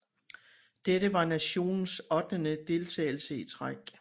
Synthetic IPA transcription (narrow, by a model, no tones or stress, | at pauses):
d̥eɾəʋɑ̈næɕo̝̰ːnn̩sɒd̥nənəd̥e̝lt͡sʰɛ̰ːɪl̩səit͡sʰʁaɡ̥